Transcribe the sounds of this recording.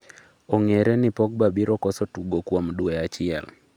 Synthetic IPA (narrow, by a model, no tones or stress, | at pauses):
oŋeɾɛnipɔk̚babiɾɔkɔsɔtuɡokwomdweat͡ʃɪɛ̰l